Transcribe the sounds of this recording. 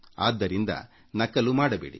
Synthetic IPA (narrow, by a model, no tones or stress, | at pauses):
a̰ːd̪ːɐɾind̪ɐ̰ | nɐkːɐlumaːɽɐbḛːɽḭ